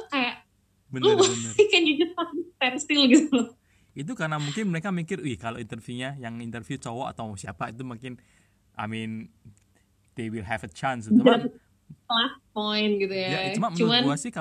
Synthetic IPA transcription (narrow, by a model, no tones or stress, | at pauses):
kajaʔ | bənbənkɛnjud͡ʒast̪̚atist̪ɛnsɪlɡit̪u | it̪̬ukaɾənamuŋkɪnməɾekamikɪrɪhkaloʔint̪ərfjuɲajaŋint̪ərfiut͡ʃowɔʔa̰t̪awsia̰pait̪umuŋkɪn | ʔa̰mɪn | d̪̥ewilɦɛfət͡ʃans̬it̪a | las̚pɔjn̚ɡit̪ujajaiumaməuanbuasɪhka